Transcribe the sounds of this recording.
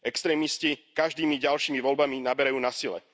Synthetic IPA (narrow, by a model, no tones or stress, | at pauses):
ɛkst̪ɾɛːmiscikaʒd̪iːmiɟalʃiːmiʋɔlbaminabɛɾajuːnasilɛ̰